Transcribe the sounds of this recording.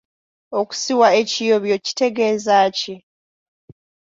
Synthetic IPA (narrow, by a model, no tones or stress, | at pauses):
oku̥siwae̞cijo̞βjoci̥te̞ɡe̞ːzaːci